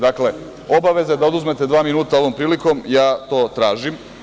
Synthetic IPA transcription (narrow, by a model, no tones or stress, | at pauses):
d̪akle̞ | o̞baʋe̞zad̪aod̪uzme̞t̪e̞d̪ʋaːminuːt̪ao̞ʋo̞mpɾiːlikomjaːt̪o̞ːt̪ɾaːʒim